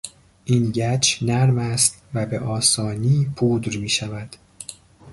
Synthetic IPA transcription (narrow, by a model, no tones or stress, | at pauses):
ʔiːnɟæt͡ʃʰnæɾmæst̪væbe̞ʔɒːsɒːniːpʰuːd̪ɾmiːʃævæd̪̥